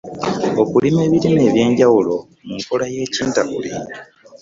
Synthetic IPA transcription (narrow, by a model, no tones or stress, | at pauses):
o̞kulime̞ːβiɾine̞ːβje̞ːɲɟawulo̞ | muŋkolaje̞ːciːntakṵli